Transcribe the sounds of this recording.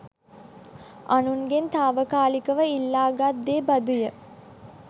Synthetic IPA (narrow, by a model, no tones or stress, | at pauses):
anuŋɡent̪aːʋəkaːlikəʋəilːaːɡad̪ːeːbad̪ujə